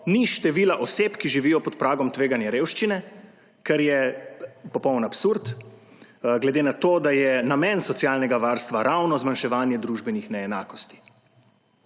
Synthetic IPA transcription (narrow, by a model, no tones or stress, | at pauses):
niʃt̪ɛʋiːlaʔɔsepkiʒiʋiːjɔpɔt̪pɾaːɡɔmt̪ʋeːɡanjɛɾeːwʃt͡ʃinɛ | kɛɾjɛ | pɔpɔwnapsuɾt̪ | ɡlɛd̪enat̪oːd̪ajɛnamɛnsɔt̪sjaːlnɛɡaʋaːɾst̪ʋaɾʔawnɔzmanʃɛʋaːnjɛd̪ɾuʒbɛnixnɛɛnaːkɔst̪i̥